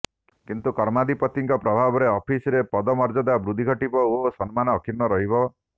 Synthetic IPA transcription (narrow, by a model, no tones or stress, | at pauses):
kint̪ukɔɾmad̪ipɔt̪iŋkɔpɾɔbʱabɔɾeɔpʰisɔɾepɔd̪ɔmɔɾd͡ʒɔd̪abɾud̪ʱiɡʱɔʈipɔosɔnmanɔːkʰiɾnɔɾɔɦibɔ